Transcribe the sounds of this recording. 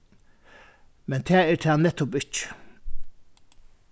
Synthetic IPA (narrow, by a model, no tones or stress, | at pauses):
mɛnt̪ʰɛːɛɾt̪ʰɛːnɛt̪ːʊpɪt͡ʃ